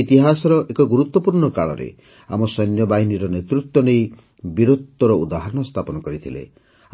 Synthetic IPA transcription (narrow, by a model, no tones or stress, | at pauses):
it̪iɦasɔɾɔʔekɔɡuɾut̪wɔpuɾɳɔkaɭɔ̰ɾḛ | a̰mɔsɔjnjɔbaɦiniɾɔnet̪ɾut̪ːwɔnej | biɾot̪ːɔɾɔud̪aɦaɾɔɳɔst̪ʰapɔnɔkɔɾit̪ʰilḛ